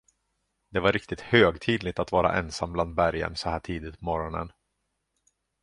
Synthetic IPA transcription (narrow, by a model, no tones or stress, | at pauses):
d̪ɛvaɾɪkt̪ɪt̪høːɡt̪ʰiːd̪lɪt̪at̪vɑːɾa̰ʔɛnsambland̪̚bæɾjə̰nsɔhæːʈʰiːd̪ɪt̪̚pʰɔmɔɾɔnə̰n